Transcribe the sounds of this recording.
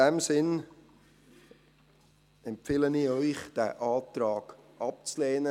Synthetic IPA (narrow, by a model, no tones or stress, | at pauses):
ɛmsɪn | ɛmpfɪːləniœʏχd̥æ̰ːʔɑːtrɑːɡ̥ʔɑp̚t͡slɛːnə